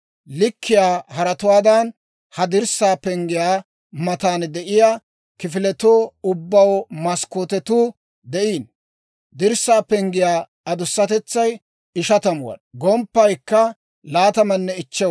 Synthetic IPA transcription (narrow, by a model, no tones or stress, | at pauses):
lɪkʰːɪjaːhɐɾɐt̪ʊwaːd̪ɐn | hɐd̪ɪɾsaːpɛŋɡɪjaː | mɐt̪aːnd̪ɛʔɪjaː | kɪfɪlɛt̪oːʊbːɐwmɐskoːt̪ɛt̪uː | d̪ɛʔiːn | d̪ɪɾsːaːpɛŋɡɪjaː | ɐd̪ʊsːɐt̪ɛt͡sːɐj | ɪʃɐt̪ɐmʊwɐ̰nɡɔmpːɐjkːɐ | laːt̪ɐmɐnːɛɪt͡ʃːɛ